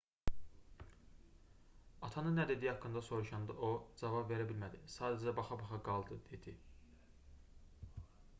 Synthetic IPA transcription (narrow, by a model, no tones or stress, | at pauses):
ɑt̪ʰɑnɯnːæd̪e̞d̪ihɑkːɯnd̪ɑso̞ɾuʃɑnd̪ɯʔod͡ʒɑvɑbve̞ɾæbilmæd̪isɑːd̪æd͡ʒæbɑχɑbɑχɑɡɑlˠd̪ɯd̪e̞d̪̥i